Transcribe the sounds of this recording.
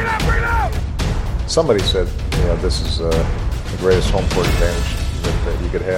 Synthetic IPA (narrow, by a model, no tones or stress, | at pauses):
sʌ̃mbɑɾisɛd̪̚jɨnoʊðɪsɨzʌðɨɡɹeɪɾɨst̚hõʊ̃mpʰə˞dæ̃mɨd͡ʒðɨt̪̚ɨt͡ʃɨkɨd̚ɨ